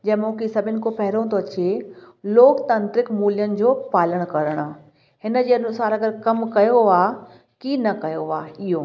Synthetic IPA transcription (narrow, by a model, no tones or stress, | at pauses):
d͡ʑɐ̃ɦmʊːkisɐbʱɪnɪ̆kopɐɦɪɾõt̪ʰoɐt͡ɕie | loːkt̪ɐ̃nt̪ɾɪkmuːlijənɪ̆d͡ʑoːpaːləɽ̃kɐɾəɽ̃aː | hɪnəd͡ʑeːɐnʊsaːɾɐɡəɾkɐmkɐjoaː | kinɐkɐjoaːɪɦoː